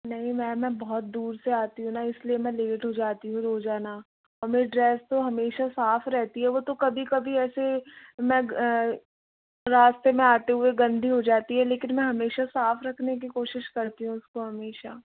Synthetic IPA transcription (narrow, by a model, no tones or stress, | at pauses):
nɐɦĩmɛ̃ːmɛ̃bɔɦɔt̪̚d̪uːɾseaːt̪iɦũnaɪsliemɛ̃leːʈɦod͡ʒaːt̪iɦũɾoːd͡ʒaːna | ɔːɾmeːɾiɖɾɛːst̪oɦɐmeːʃasaːfɾɛɦt̪iɦɛʋot̪okɐbʱikɐbʱiɛːsemɛ̃ | ɾaːst̪emẽaːt̪eɦʊeɡɐ̃nd̪ʱiɦod͡ʒaːt̪iɦɛleːkɪnmɛ̃ɦɐmeːʃasaːfɾɐkʰnek̬ikoːʃɪʃkɐɾt̪iɦũɪskoɦɐmeːʃaː